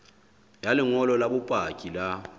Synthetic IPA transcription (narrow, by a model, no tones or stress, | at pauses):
jalɪŋɔlɔlaɓupʼakʼila